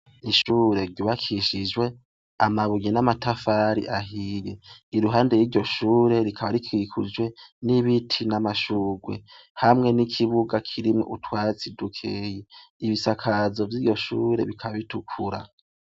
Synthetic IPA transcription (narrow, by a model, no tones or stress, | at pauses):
iʃuːɾe̞ɾɟuːβakʰiʃid͡ʒwe̞ | amaβujenamatʰafaːɾḭʔaɦijeiɾuɦaːnde̞jiːɾɟo̞ʃuːɾe̞ɾikʰaβaɾikwikʰud͡ʒwe̞niβitʰinamaʃuːɡwe̞̰ | hamŋe̞nikʰiβuɡakʰiɾimŋo̰ʔutwaːt͡sidukʰeːje | iβisakʰazo̞vjiːɟo̞ʃuːɾe̞̰βikʰaβitukʰuɾa̰